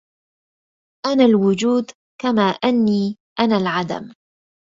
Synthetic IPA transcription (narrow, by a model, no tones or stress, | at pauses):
ʔanaːlwʊd͡ʒuːd̪ | kamaːʔanːi | ʔanaːlʕad̪a̰m